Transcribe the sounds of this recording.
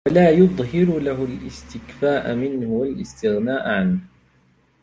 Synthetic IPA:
walaːjʊðˤhɪɾʊlaɦʊlʔɪst̪ɪkfaːʔamɪnhʊwalʔɪst̪ɪɣnaːʔʕanh

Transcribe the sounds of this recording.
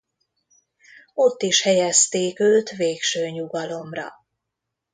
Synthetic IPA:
o̞t̪ːiʃhɛjɛst̪eːkøːt̪ʋeːkʃøːɲuɡɒlo̞mrɒ̰

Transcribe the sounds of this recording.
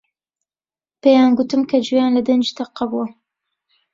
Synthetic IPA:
pejaːnɡʊt̪ɨmkʰɐd͡ʒujaːnlɐd̪ɐnd͡ʒit̪ʰɐqːɑbuwɐ

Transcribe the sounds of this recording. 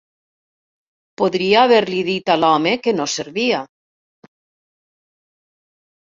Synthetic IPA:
poðɾiaːβeɾliðit̪alɔmekenoseɾβia

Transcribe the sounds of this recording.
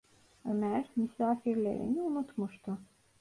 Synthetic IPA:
ømæɾmysaːfiɾlʲḛɾḭniunut̪muʃt̪ʰʊ

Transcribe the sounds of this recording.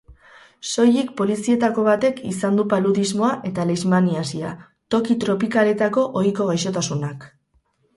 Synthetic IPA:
so̞jikpo̞lisie̞t̪ako̞β̞at̪e̞kisand̪upaluðizmo̞aʔe̞t̪alezmaniasia | t̪o̞kit̪ɾo̞pikale̞t̪ako̞ʔojko̞ɣ̞ajʃo̞t̪asunak

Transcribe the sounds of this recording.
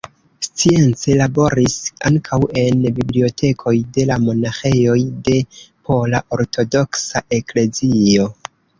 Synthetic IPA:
st͡sie̞nt͡selabo̞ɾisaŋkʰawe̞nbiblio̞tʰe̞kʰo̞jde̞lamo̞naxe̞jo̞jde̞pʰo̞laʔo̞ɾtʰo̞do̞ksaʔe̞kle̞zio̞

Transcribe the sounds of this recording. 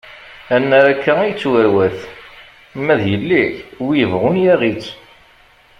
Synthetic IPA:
ænːæɾækːæijt͡sːwæɾwæθ | mːæðjəlːiçwijəvʁʊnjæʁit͡sː

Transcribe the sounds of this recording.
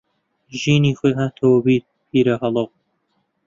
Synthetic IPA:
ʒiːniːxojɦaːt̪ʰɐwɐbiːt̪̚pʰiːɾɐhɑlˠow

